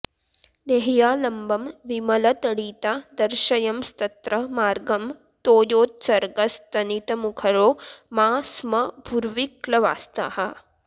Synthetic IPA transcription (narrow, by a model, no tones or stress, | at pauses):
neɦjaːlɐmbɐmʋimɐlɐt̪ɐɽiːt̪ad̪ɐɾʃɐjɐmst̪ɐt̪ɾɐmaːɾɡɐm | t̪oːjoːt̪̚sɐɾɡɐst̪ɐnit̪ɐmukʰɐɾoːmaːsmɐbʱuɾʋiklɐʋa̰ːst̪a̰ɦɐ